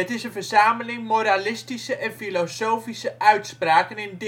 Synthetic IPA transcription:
ətɪsənvərz̥aːməlɪŋmoɾalɪstisəʔɛnfilosowfisəʔœɥtspraːkənɪnd

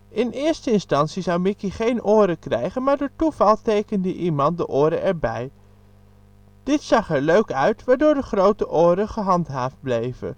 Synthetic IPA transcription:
ɪnɪːɹstəɪnstɑntsizɑwmɪkiχejnoːɾəkrɛ̰jχənmaːɹdoːtuvɑlˠtejkəndəʔimɑnt̚dəʔʊːɾəʔɛɹbɛ̰j | d̥ɪtsɑχɛɹløɥkœɥtʋaːɹdʊːɹdəχrowtəʔoːɾəχəɦɑntɦaːfd̚blejvə̰

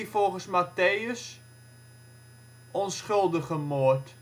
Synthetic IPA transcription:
ifolˠχəsmateːəs | ʔɔnsχɵlˠdəχəmoət

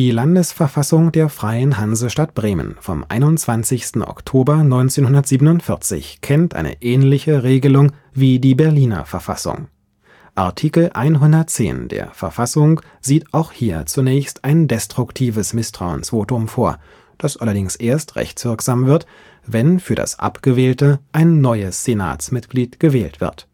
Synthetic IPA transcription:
d̥iːlandəsfɛɐfasʊŋdeːɐfʁ̥aɪənɦanzəʃtat̚b̥ʁeːmə̰̃nfɔ̰mʔa̰ɪnʊnt͡sv̥ant͡sɪçstn̩ʔɔ̰ktʰoːbɐnɔʏnt͡seːnhɦʊndɐtz̥iːbənʊntfɪɐt͡sɪ̰çkʰɛntʔa̰ɪnə̰ʔɛːnlɪçəʁeːɡəlʊŋ | viːdiːbɛɐliːnɐ̰fɛɐfa̰sʊ̰ŋ | ʔa̰ɐtʰiːkl̩ʔa̰ɪnɦʊndɐt̚t͡sḛːndḛːɐfɛɐfasʊŋ | z̥iːtʔaʊxhiːɐt͡sunɛːçstaɪndɛstʁ̥ʊktʰiːvəsmɪstʁ̥aʊə̰nsv̥oːtʊmfoːɐ | d̥asʔalɐdɪŋsʔeːɐstʁɛ̰çt͡sv̥ɪɐkz̥aːmvɪɐt | vɛnfyːɐda̰sʔa̰pɡ̥əvɛːltəʔaɪnːɔʏəsz̥ena̰ːsmɪtɡ̥liːtɡ̥əvɛːltv̥ɪ̰ɐt

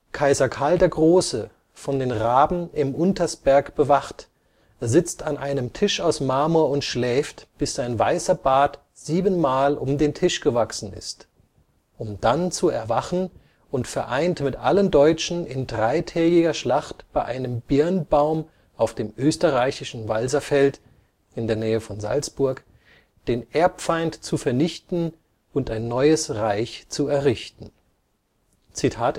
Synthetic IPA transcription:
kʰaɪzɐkʰaldeːɐɡʁoːsə | fɔndeːnʁaːbm̩ɪmʔʊntɐsb̥ɛɐkb̥əvaχt | eːɐzɪt͡stʰanʔaɪnəmtʰɪʃaʊsmaːmuɐʊntʃlɛːftb̥ɪsz̥aɪnvaɪsɐbaːt | z̥iːbənmaːlʔʊmdeːntʰɪʃɡ̥əvaksn̩ɪ̰st | ʔʊmd̥ant͡suɛ̰ɐvaχn̩ | ʊntfɛɐʔaɪntmɪtʔaləndɔʏt͡ʃn̩ɪndʁaɪtʰɛːɡɪɡɐʃlaχtb̥aɪʔaɪnəmbɪɐnbaʊm | ʔaʊfd̥eːmʔøːstəʁaɪçɪʃn̩valzɐfɛlt | ʔɪndeːɐnɛːəfɔnza̰lt͡sb̥ʊɐk | d̥eːnʔeɐpfaɪntt͡sufɛɐnɪçtn̩ | ʊntaɪnːɔʏəsʁaɪçt͡suɛɐʁɪçtn̩ | t͡sitʰaːt

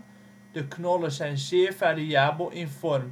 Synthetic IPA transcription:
d̥əknɔləsɛjnsɪːrfaːriaːbəlˠʔɪnfɔrm

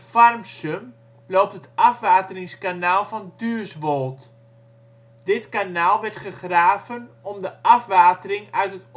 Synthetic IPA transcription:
farmsøm | loːp̚tətɑfʋaːtərɪŋskanaːlˠfɔndyːsʋolˠt | d̥ɪtkanaːlˠʋɛrtχəχraːvənɔmdəʔɑfʋaːtərɪŋœɥtət

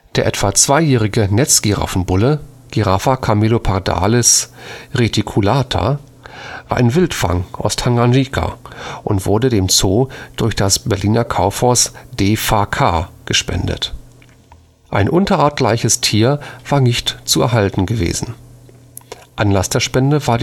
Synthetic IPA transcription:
d̥eːɐʔɛtv̥at͡sv̥aɪjɛːʁɪɡənɛt͡sɡ̥iʁa̰fn̩bʊlə | ɡ̥iʁafakʰamelopʰaʁda̰ːlɛsʁetʰikʰulaːtʰa̰ | va̰ːɐʔɪnvɪltfa̰ŋʔa̰ʊsthaŋanʒikʰa̰ʔʊntv̥ʊɐdədeːmt͡soːd̥ʊɐçd̥asbɛɐliːnɐkʰaʊfhɔɐsd̥eːfaːkʰaːɡ̥əʃpɛ̰ndə̰t | ʔaɪnʔʊntɐʔaːɐtla̰ɪçəstʰiːɐv̥aːɐnɪçtt͡suɛ̰ɐɦaltn̩ɡəvḛːzn̩ | ʔanlasd̥eːɐʃpɛndəvaːɐd

